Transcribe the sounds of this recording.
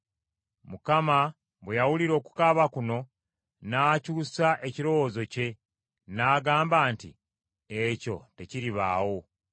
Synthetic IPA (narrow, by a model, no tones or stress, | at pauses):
mukama | βwejawuliɾo̞ːku̥kaβakuno̞ | naːcuːsaʔe̞ciɾo̞wozo̞ce̞ | naːɡaːmbaːntḭ | eco̞̰te̞ciɾiβa̰ːwo̞